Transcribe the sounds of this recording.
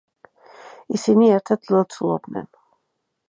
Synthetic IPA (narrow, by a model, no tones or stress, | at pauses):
isiniɛɾt̪ʰɛd̪ʰlˠɔt̪sʰulˠɔ̰b̚nɛ̰n